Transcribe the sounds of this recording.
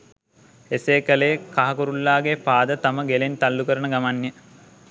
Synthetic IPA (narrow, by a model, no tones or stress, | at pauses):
eseːkəlejkaɦɐkuɾulːaːɡepaːd̪ət̪aməɡelent̪alːukəɾənəɡamanjə